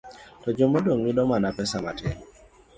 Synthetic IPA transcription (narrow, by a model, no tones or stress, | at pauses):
tɔd͡ʒomodoŋmidɔmanapɛsamatɛŋ